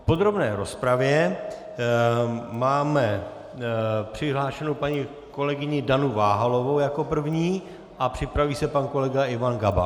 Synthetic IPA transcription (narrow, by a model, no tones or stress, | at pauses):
po̞d̪ɾo̞bnɛːɾo̞spɾavjɛ | maːmɛ | pr̝̥ɪɦlaːʃɛnowpaɲi | ko̞lɛɡɪɲɪdanuvaːɦalo̞vo̞wjako̞pr̩vɲiː | ʔapr̝̥ɪpɾaviːsɛpanko̞lɛɡaʔɪvanɡaba̰